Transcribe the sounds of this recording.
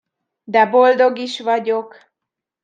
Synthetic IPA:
d̪ɛbo̞ld̪o̞ɡiʃvɒɟo̞k

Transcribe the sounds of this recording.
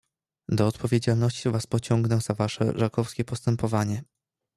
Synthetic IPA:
d̪ɔːt̪pʰɔvʲjed͡ʑalnɔɕt͡ɕivaspɔt͡ɕɔŋɡnɛz̥avaʂɛ̰ʐakɔfskʲɛpɔst̪ɛmpɔvaɲɛ

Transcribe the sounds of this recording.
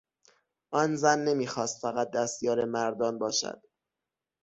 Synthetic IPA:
ʔɒːnzænːe̞miːxɒːst̪fæɣæt̪̚d̪æst̪jɒːɾemæɾd̪ɒːnbɒːʃæ̰d̪̥

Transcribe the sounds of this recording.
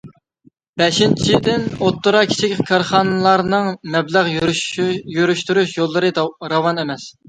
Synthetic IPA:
b̥ɛʃint͡ʃʰid̪ɪnot̪ːʊɾɑkʲʰi̥t͡ʃʰɪkʲkʰɑɾχɑnɨlˠɑɾnɨŋmɛblæʁ | jyɾyʃt̪yɾyʃjolˠːɨɾɨɾɑwɑnemɛs

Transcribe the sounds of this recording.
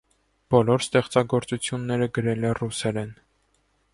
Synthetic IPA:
b̥ɔlɔɾst̪ɛχt͡sɑɡɔɾt͡sut͡sʰjunːɛɾəɡəɾɛlɛrusɛlɛn

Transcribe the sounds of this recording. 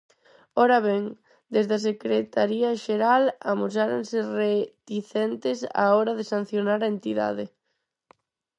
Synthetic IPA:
ɔɾaβɛŋ | d̪ezðas̬ekɾet̪aɾiaʃeɾala̰mus̬aɾonseret̪iθɛnt̪ɪsa̰ɔɾaðesan̟θjonaɾaent̪iða̰ðɪ

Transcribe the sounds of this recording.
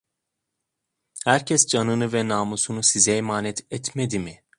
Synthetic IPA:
hæɾcʰɛsd͡ʒanɯnɯvɛnaːmusunusizɛjmaːnɛt̪ʰɛt̪mɛd̪imi

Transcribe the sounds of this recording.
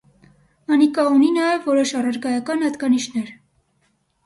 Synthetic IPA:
ɑnikɑuninɑjɛvːɔɾɔʃɑrɑɾɡɑjɑkɑnhɑd̪ɡɑniʃnɛɾ

